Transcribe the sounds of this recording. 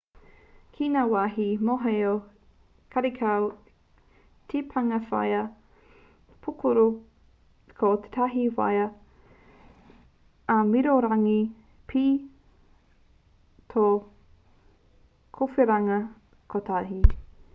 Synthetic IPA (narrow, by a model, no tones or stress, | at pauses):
kʰinaːwaɦimoɦejo | kʰɐɾikʰaw | t̪ʰepʰɐŋɐfa̰jɐ | pʰukʰuɾu | kʰot̪e̥t̪ʰaɦiwa̰jɐ | amiɾoɾaŋi | pʰi | t̪ʰo | kʰofeɾɐŋɐ | kʰot̪ʰaɦi